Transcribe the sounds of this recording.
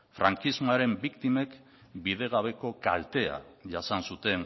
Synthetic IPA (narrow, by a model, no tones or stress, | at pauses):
fɾaŋkizmaɾe̞mbikt̪ime̞k | biðe̞ɣ̞aβ̞e̞ko̞ka̰lt̪e̞a̰ʝasansut̪e̞n